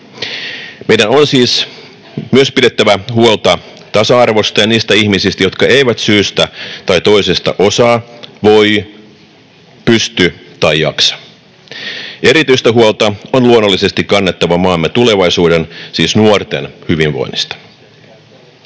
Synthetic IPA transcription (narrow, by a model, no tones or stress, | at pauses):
meidænonsiːs | myøspiɾe̞t̪ːæʋæhuolt̪ɑ | t̪ɑsɑɑrʋo̞st̪ɑjɑniːst̪æihmisist̪æjo̞t̪kɑe̞iʋæt̪syːst̪æt̪ɑjt̪oisest̪ɑ̰ʔo̞sɑːʋo̞j | pyst̪yt̪ɑjjɑ̰ksɑ̥ | ʔe̞ɾit̪yist̪æɦuolt̪ɑonluonːolːise̞st̪ikkɑnːet̪ːɑʋɑmɑːmːet̪ule̞ʋɑisuːdensiːsnuort̪ḛnhyʋinʋo̰inist̪ɑ̥